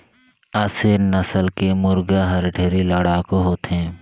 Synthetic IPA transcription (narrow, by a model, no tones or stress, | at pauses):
aːseːnəsəlkemʊɾɡaɦɐɾɖʰʱeːɾiləɽaːkoɦoːt̪ɦɛ̃ː